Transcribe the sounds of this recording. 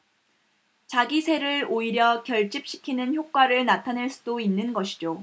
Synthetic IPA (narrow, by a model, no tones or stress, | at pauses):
t͡ɕaɡisʰe̞ɾɯɭoiɾjʌkjʌɭt͡ɕ͈ip̚ɕ͈i̥kʰinɯnçjok̚k͈waɾɯɭnatʰaneɭs͈udoinːɯnɡʌɕʰi̥d͡ʑo